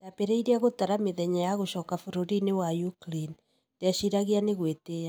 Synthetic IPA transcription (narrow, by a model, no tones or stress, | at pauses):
dapeɾeiɾeaɣotaɾameðɛɲajaɣoʃɔːkafoɾoɾinewajuklin | deaʃiɾaɣianeɣwetea